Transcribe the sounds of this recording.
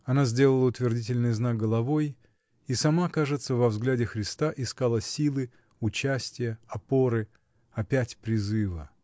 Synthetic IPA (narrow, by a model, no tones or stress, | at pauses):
ɐnazʲdʲe̞lˠəlˠəʊt̪vʲɪrdʲitʲɪlʲnɨjznak̚ɡəlˠɐvo̞j | isɐmakaʐɨt̪səvɐvzɡlʲædʲɪxɾʲɪst̪aʔɪskalˠəsʲilˠɨ | ʊt͡ɕæsʲtʲɪjəɐpo̞ɾɨ | ɐpʲætʲpɾʲɪzɨvə̰